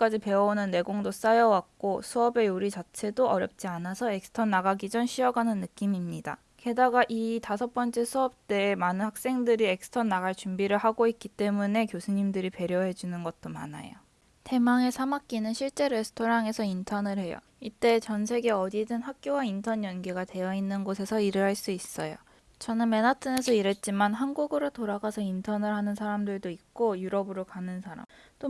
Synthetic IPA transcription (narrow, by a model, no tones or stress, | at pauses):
k͈ad͡ʑipe̞ʌonɯnːe̞ɡoŋdos͈ajʌwak̚k͈osʰuʌbe̞uɾit͡ɕat͡ɕʰe̞doʔʌɾjʌp̚t͡ɕ͈ianasʰʌe̞k̚sʰɯ̥tʰʌnːaɡaɡid͡ʑʌnɕʰiʌɡanɯnːɯk͈imimɲida̰ | ke̞daɡaʔitasʰʌp͈ʌnt͡ɕ͈ʰe̞sʰuʌp̚t͈e̞ːmanɯnhak̚s͈e̞ŋdɯɾie̞k̚sɯ̥tʰʌnːaɡaɭt͡ɕumbiɾɯɭhaɡoik͈it͈e̞mune̞kjosʰuɲimdɯɾipe̞ɾjʌɦe̞d͡ʑunɯnɡʌt̚t͈oma̰na̰jo̰ | te̞maŋe̞sʰamak̚k͈inɯnɕʰiɭt͡ɕ͈e̞ɾe̞sʰɯ̥tʰoɾaŋe̞sʰʌintʰʌnɯɭhe̞jʌ̰ | it͈e̞t͡ɕʌns̬ʰe̞ɡe̞ʌdidɯnhak̚k͈jowaintʰʌɲjʌnɡiɡate̞jʌinːɯnɡosʰe̞sʰʌiɾɯɾɦaɭs͈uis͈ʌjo̰ | t͡ɕʌnɯnme̞natʰɯne̞sʰʌiɾe̞t̚t͡ɕ͈imanɦanɡuɡɯɾotoɾaɡasʰʌintʰʌnɯɭhanɯnsʰaɾamdɯɭdoik̚k͈ojuɾʌbɯɾokanɯnsʰaɾa̰mt͈o